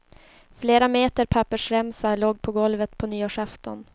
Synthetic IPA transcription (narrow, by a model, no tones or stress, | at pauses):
fleːɾameːt̪əɾpʰapːəʂɾɛmsaloːɡ̚pʰɔɡɔlvət̪pʰɔnyːoʂaft̪ɔn